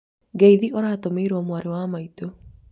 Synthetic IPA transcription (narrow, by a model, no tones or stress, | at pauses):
ɡeiðiʔɔɾaːtomeiɾɔmwaɾewaːmaito